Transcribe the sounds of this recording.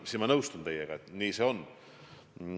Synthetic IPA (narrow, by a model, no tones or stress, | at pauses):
simɑnɤwst̪unt̪ejeɡ̥ɑt̪niːseon